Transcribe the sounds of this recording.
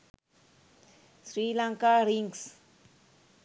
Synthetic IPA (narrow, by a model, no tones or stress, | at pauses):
sɾilaŋkaɾiŋs